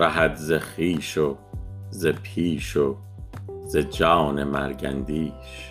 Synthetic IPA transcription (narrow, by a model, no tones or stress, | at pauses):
æɦæd̪zeχiːʃo | zepʰiːʃo | zed͡ʒɑːnemæ̰ɾɡæ̰nd̪iːʃ